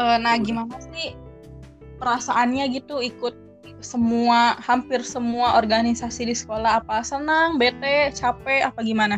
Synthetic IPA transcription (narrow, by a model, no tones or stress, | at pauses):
ʔənahɡimanasɪh | pəɾasaʔanɲaɡit̪uikʊt̪̚ | səmuahampɪrsəmuaʔorɡanisasidisə̥kolaɦapasənaŋbet̪ɛt͡ʃapɛapaɡimana